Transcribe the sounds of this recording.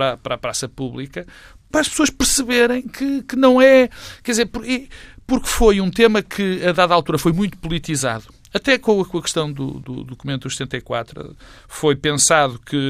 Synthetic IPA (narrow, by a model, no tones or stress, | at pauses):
ɾapɾapɾasɐpuβlˠikɐ | pɾaːʃpsoɐʃpɨɾsɨβeɾɐ̃j̃kʰɨkɨnɐ̃w̃ɛkɛðizeɾpuɾipuɾkfojũt̪emɐkʰɨɐðaðalˠt̪uɾɐfojmũj̃t̪u̥pulˠit̪iza̰ðu | ɐt̪ɛkõwɐkõɐkɨʃt̪ɐ̃w̃d̪ṵd̪ṵðukumẽnt̪ðust̪ẽnt̪ɐjkwa̰t̪ɾuɐ̰ | fojpẽsaðukɨ